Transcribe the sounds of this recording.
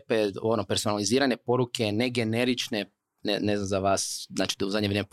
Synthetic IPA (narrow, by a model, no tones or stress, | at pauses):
peonopeɾsonaliziːɾane̞po̞ɾuke̞ne̞ɡe̞neɾit͡ʃne | neneznamzaʋaːszaːt͡ʃi̥t̪uzadɲeʋɾem